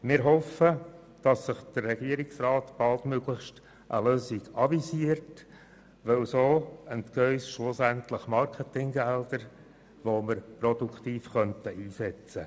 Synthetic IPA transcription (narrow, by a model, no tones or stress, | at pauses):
mɪːɾɦɔfə | d̥ɑsːɪχd̥ərːɛɡ̥iəɾiksrɑːtb̥ɑlˠtmøɡlɪχʃt | ʔə̰løːsiɡɑvisiəɾt | ʋɛwsoːəntkœʏsʃlʊsæntləχmɑɾkʰətɪŋɡæld̥̪əɾ | ʋoməɾpɾɔd̥ukʰt̪iːfχœntəʔiːsɛt͡sə